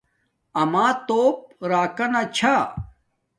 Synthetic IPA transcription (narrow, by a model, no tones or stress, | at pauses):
ɐmaːt̪oːp̚ɾaːkɐnat͡ɕʰa